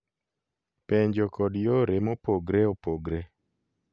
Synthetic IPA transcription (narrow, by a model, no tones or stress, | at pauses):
peɲd͡ʒokɔdjoɾemopoɡɾeopoɡɾe